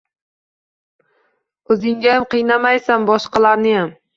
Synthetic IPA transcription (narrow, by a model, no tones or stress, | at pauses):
ɵzɪŋɡʲajamqʰɨjnamajsanbɒʃqɑlaɾnɪjam